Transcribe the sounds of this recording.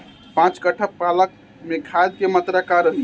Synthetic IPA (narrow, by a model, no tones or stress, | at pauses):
pãt͡ʃkəʈʰəppalək̚ | mekʰad̪kemət̪ɾakaɾən